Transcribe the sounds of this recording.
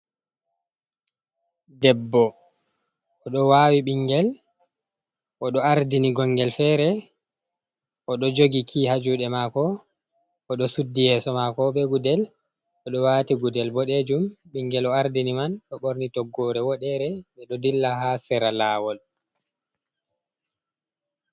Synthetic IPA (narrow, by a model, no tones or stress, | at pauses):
dɛbːɔ | ɔɗɔwaːwiɓiŋɡɛl | ʔɔɗɔaɾdiniɡɔŋɡɛlfɛːɾɛ | ʔɔɗɔd͡ʒoɡikʰihad͡ʒuɗɛmakɔ | ɔɗɔsudːijɛsɔmakɔɓɛɡudɛl | ɔɗɔwatiɡudɛlbɔɗed͡ʒumɓiŋɡɛlɔaɾdinimanɗɔɓoɾnitɔɡːɔɾɛwɔɗɛɾɛɓɛɗɔdilːahasɛɾalaːwɔl